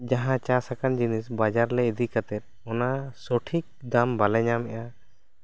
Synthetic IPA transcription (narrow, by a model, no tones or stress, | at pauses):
d͡ʒaɦãt͡ʃasakand͡ʒinisbad͡ʒaɾlɛid̪ikat̪ɛt̪̚ɔnasɔʈʰik̚d̪ambalɛɲamɛʔa